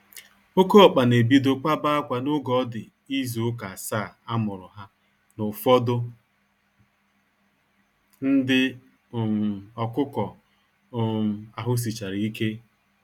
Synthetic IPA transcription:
o˦ko˦ɔ˨k͡pa˨ne˨bi˦do˦k͡pa˦ba˦a˦kʷa˨nʊ˦ɡɔ˦dɪ˨ | i˦zu˨ʊ˦ka˨a˨sa˦˨a˦mʊ˨ɾʊ˨ɦa˦ | nʊ˨fɔ˦dʊ˦ | n̩˦dɪ˦˨ | ɔ˨kʊ˦kɔ˨ | a˨ɦʊ˦s̬i˨t͡ʃa˨ɾi˨i˦ke˦

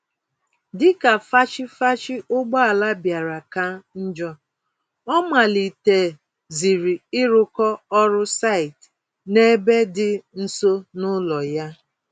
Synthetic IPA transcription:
dɪ˦ka˨fa˦t͡ʃɪ˦fa˦t͡ʃɪ˦ʔʊ˦ɡ͡bɔ˦a˨la˦bja˨ɾa˨ka˦n̩˦d͡ʒɔ˦ | ɔ˦ma˨li˨te˨ | zi˨ɾi˨ɪ˦ɾʊ˦kɔ˦ɔ˦ɾʊ˦sa˦˨ɪ˨t | ne˦be˦dɪ˦n̩˦so˦nʊ˦lɔ˨ja˦

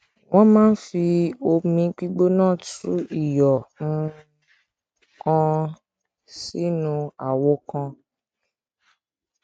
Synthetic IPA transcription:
w̃ɔ̃˦mãː˦n̩˦fi˧o˧mĩ˧k͡pi˦ɡ͡bo˦nãː˦˨tṵ˨˦i˦˨jɔ˨ũ˦˧ | kã˧ | si˨˦nũ˧a˨wɔ˨˦kã˧

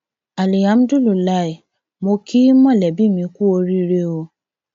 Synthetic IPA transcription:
a˨li˨a˨˦m̩˦du˦lu˨la˦e˨ | mo˧kʰi˦mɔ̃˦˨lɛ˨bi˦˨mĩ˧ku˦o˧ɾi˦ɾe˦o˧

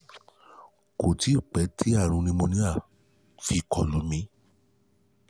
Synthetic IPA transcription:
ko˨ti˨˦˨k͡pɛ˨˦tʰi˦a˦˨ɾ̃ũ˧nĩ˧mõ˧nĩ˦a˦˨ | fi˧kʰɔ˨lo˨˦mĩ˧˦

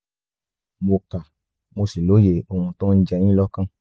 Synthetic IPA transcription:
mo˧ka˨ | mo˧si˨lo˨˦je˧o˧hũ˧tɔ̃˦n̩˦d͡ʒɛ˧j̃ĩ˦lɔ˦kã˦˨

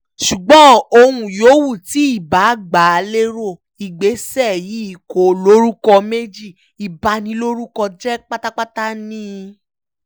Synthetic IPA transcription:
ʃu˨ɡ͡bɔ̃˨˦o˧hũ˧joː˨˦wu˦˨ti˨˦i˦˨ba˨˦˨ɡ͡ba˨˦a˧le˦ɾo˦˨ | i˨ɡ͡be˨˦sɛ˦˨ji˨˦i˦˨ko˨lo˦ɾu˦kɔ˧me˦d͡ʒi˦˨ | i˨ba˨˧nĩ˧lo˦ɾu˦kɔ˧d͡ʒɛ˦k͡pa˦ta˦k͡pa˦ta˦nĩ˦

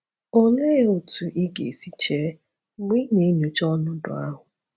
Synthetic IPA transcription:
o˦ŋe˦o˨tu˨ʔi˦ɡḛ˨si˦t͡ʃe˦ | mʷ˦i˦ɲe˨˦nu˨t͡ʃɔ˦nʊ˦dʊ̰˨a̰˦ɦʊ˨

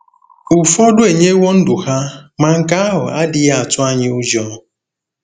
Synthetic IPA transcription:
u˨fɔ˦dʊ˦e˨ɲe˦wo˦n̩˦dʊ˨ha˦ma˨ŋ̩˨ka˦a˦ɦʊ˨a˦dɪ˨ja˦a˨tʊ˦a˦ɲɪ˦u˦d͡ʒɔ˦˨

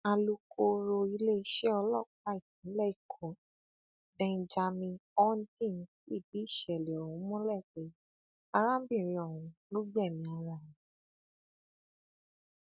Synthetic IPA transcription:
a˧lu˧kʰo˧ɾo˧i˧le˦i˦ʃɛ˦ɔ˧lɔ˦˨k͡pa˧i˨tĩ˨˦lɛ˦˨i˦˨kʰɔ̃˨ | bɛ̃˧nd͡ʒa˧mĩ˧ɔ˦n̩˦tĩ˦˨n̩˨˦i˦˨di˨˦i˦˨ʃɛ˨lɛ˨ɔ˨wũ˨˦mɔ̃˦lɛ˦˨k͡pe˨˦ | a˧ɾa˦bĩ˦˨ɾ̃ĩ˧ɔ˨wũ˨˧˦lo˦ɡ͡bɛ˦˨mĩ˧a˧ɾa˨ɾĩ˨˦

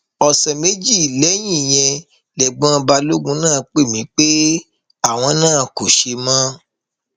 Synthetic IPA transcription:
ɔ˨sɛ˨me˦d͡ʒi˦˨lɛ˨˦j̃ĩ˦˨j̃ɛ̃˧ | lɛ˨ɡ͡bã˨˦˧ba˧lo˦ɡũ˧˦nãː˦˨k͡pe˦˨mĩ˨˦k͡pe˦ | a˦˨w̃ɔ̃˧nãː˦˨ko˨ʃe˧mã˦

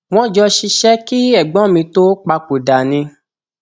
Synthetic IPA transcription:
w̃ɔ̃˦d͡ʒɔ˧ʃi˧ʃɛ˦ki˦ɛ˦˨ɡ͡bɔ̃˨˦mĩ˧to˦k͡pa˧k͡po˨da˨nĩ˧

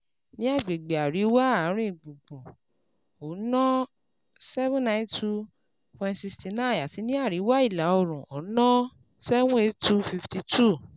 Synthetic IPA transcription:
nĩ˦a˦˨ɡ͡be˨ɡ͡be˨a˨ɾi˨˦wa˦a˨˦ɾ̃ĩ˦˨ɡ͡bũ˨ɡ͡bũ˨ | o˨˦nã˦ | sɛ˦vũ˦nã˦ntu˦ | pɛ̃˧nsi˧sti˧na˦˨a˨ti˨˧˦nĩ˦a˦˨ɾi˨˦wa˦i˦˨la˨˦ɔ˧˨ɾ̃ũ˨o˨˦nã˦ | sɛ˦wũ˦e˦˧tu˦fi˧fti˧tu˦˨

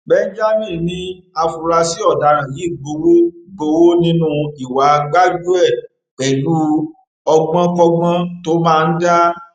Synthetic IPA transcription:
bɛ˧n̩˦d͡ʒa˦mĩ˦˨nĩ˧˦ | a˧fu˨ɾa˧si˦ɔ˦˨da˨˧ɾã˨ji˨˦˨ɡ͡bo˧wo˦ɡ͡bo˧wo˦nĩ˦nũ˦˧i˨wa˨˦ɡ͡ba˦d͡ʒu˦ɛ˦˨ | k͡pɛ˨lu˦ | ɔ˧ɡ͡bã˦kɔ˧ɡ͡bã˦to˦mãː˦˧n̩˦da˦

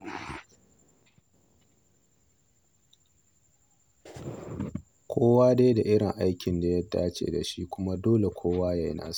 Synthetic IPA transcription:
kʷʰoː˦waː˦deː˦da˨ʔɪ˦ɽɪ˨ŋʔa˦jkʲɪ˨nda˨jɐ˦dːaː˦t͡ʃḛː˨da˨ʃi˦kʷʊ˦ma˦doː˦le˨kʷʰoː˦waː˦ja˨jna̰ː˦s

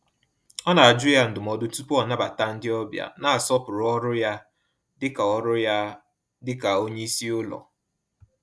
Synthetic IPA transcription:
ɔ˦na˨a˨d͡ʒʊ˦ja˦n̩˨dʊ˨mɔ˨dʊ˦tu˦pu˦ɔ˨na˦ba˨ta˦n̩˦dɪ˦ɔ˦bja̰˨na˨a˨sɔ˦pʊ˨ɾʊ˨˦ɔ˦ɾʊ˦ja˦ | dɪ˦ka˨ɔ˦ɾʊ˦ja˦ | dɪ˦ka˨o˦ɲe˦i˦si˦ʊ˦lɔ̰˨

